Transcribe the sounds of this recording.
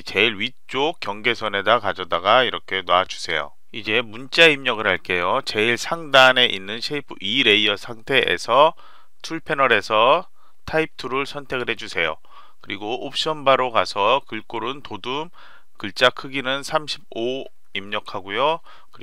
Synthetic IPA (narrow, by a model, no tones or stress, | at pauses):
t͡ɕe̞iɭɥit͡ɕ͈ok̚k͈jʌŋɡe̞sʰʌne̞dakad͡ʑʌdaɡaiɾʌkʰe̞nwaad͡ʑu̥sʰe̞jo̰ | id͡ʑe̞munt͡ɕ͈aimɲʌɡɯɾɦaɭk͈e̞jot͡ɕe̞iɭsʰaŋdane̞ʔinːɯnɕʰeipʰɯiɾe̞iʌsʰaŋtʰe̞ʔːsʰʌ | tʰuɭpʰe̞nʌɾe̞sʰʌ | tʰaip̚tʰɯɾɯɭsʰʌntʰe̞ɡɯɭɦe̞d͡ʑusʰe̞jo̰ | kɯɾiɡoʔop̚ɕ͈ʌnbaɾokasʰʌkɯɭk͈oɾɯntodum | kɯɭt͡ɕ͈akʰɯɡinɯnsʰamɕʰib̚o | imɲʌkʰaɡojo | kɯ